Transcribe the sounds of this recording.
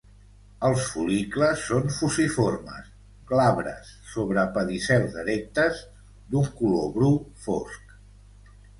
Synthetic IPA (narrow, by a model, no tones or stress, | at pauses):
əlˠsfulikləsːonfusiformə̰s | klaβɾə̰sːoβɾəpəðisɛlzðəɾɛk̚t̪əz | d̪uŋkuloβɾufo̰sk